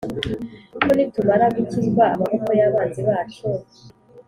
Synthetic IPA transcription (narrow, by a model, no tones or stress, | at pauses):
kunitumaɾaɡuciɡwaːmahokojaβaːnziβaːt͡ʃo